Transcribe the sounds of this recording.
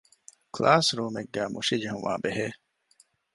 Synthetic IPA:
klʔaːsɾuːmeɡːæːmʔuʃid͡ʒeɦũʋa̰ːbeɦeː

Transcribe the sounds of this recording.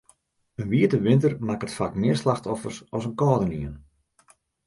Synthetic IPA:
ənʋiətəʋɪntərmakətfakmɪərslaxtɔfərsɔsənkɔːdəniən

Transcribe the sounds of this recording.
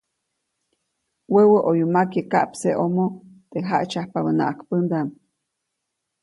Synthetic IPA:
wəwəʔojumakekaʔpseʔomot̪eɦaʔt͡ʃahpaβəna̰ʔakpənd̪am

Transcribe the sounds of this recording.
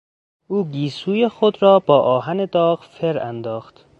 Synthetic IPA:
uːɡiːsuːjexod̪ɾɒːbɒːʔɒːɦæned̪ɒːɣfeɾæ̰nd̪ɒːxt̪

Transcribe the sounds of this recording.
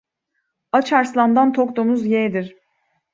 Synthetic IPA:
at͡ʃʰaɾslˠand̪ant̪ʰokt̪omuzjed̪iɾ̥

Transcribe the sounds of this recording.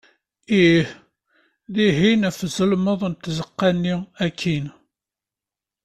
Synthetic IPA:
ih | ðiɦinæfzəlməðˤnt̪zəqːænːiækʰːin

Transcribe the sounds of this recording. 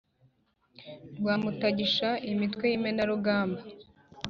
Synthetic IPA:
ɾɡwaːmutaɟiʃaimitkwe̞jimenaɾuɡaːmba

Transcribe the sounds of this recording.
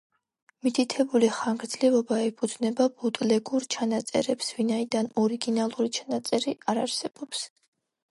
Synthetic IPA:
mit̪ʰit̪ʰɛbuliχaŋɡɾd̪zlivɔbaɛpʰud̪znɛbabut̪ʼlɛɡuɾt͡ʃʰanat̪sʼɛ̰ɾɛpsvinaid̪anɔɾiɡinalˠuɾit͡ʃʰanat̪sʼɛɾiʔaɾaɾsɛb̥ɔps

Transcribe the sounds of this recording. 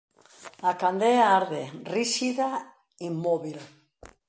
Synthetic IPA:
akand̪eaaɾðeriʃiða | imːoβil

